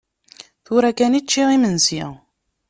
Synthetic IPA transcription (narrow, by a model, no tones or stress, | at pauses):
θuɾækænit͡ʃːiʁimənsi